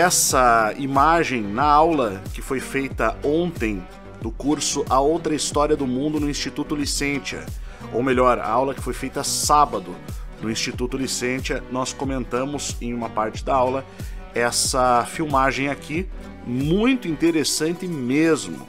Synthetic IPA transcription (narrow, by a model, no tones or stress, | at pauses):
ɛsɐimaʒẽj̃nɐawlɐkɪfojfejt̪ɐõnt̪ẽj̃ | d̪ʊkuɾsʊʔɐowt̪ɾɐist̪ɔɾiɐd̪ʊmũnd̪ʊnʊĩst͡ʃit̪ut̪ʊlisẽt͡ʃɐ̰ | owmeʎɔɾa̰awlɐkɪ̥fojfejt̪ɐsabɐd̪ʊnʊĩst͡ʃit̪ut̪ʊlisẽt͡ʃiɐnɔskomẽnt̪ɐ̃mʊzẽj̃ũmɐpaɾt͡ʃɪ̥d̪ɐawlɐɛsɐfiwmaʒẽj̃akʰi | mũj̃t̪ʊĩnt̪eɾesɐ̃nt̪ɪmezmʊ̰